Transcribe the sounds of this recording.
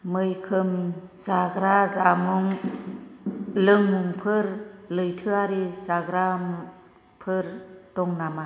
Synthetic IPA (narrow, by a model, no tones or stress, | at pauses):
mɯjkʰɯmzaɡɾazamuŋ | lɯŋmuŋpʰɯɾlɯjtʰɯaɾizaɡɾam | pʰɯɾd̥ɔŋnama